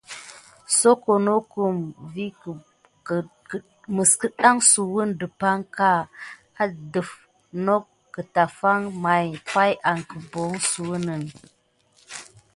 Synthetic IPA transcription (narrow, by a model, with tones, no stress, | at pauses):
so˦ko˨no˦ku˨mvi˦˨ | mə˨skə˦ɗa˦ŋsu˨wu˦ndə˨pa˦ŋka˦ | a˨də˨f | no˦kː | ə˨ta˨fa˦ŋma˨jpa˦jʔa˨ŋkə˨bo˨˦ŋsu˨wu˦nə˨ŋ